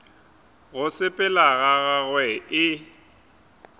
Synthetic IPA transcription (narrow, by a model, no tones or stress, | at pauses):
ɣʊsɪpʼɛlaɣaɣaɣwɛɪ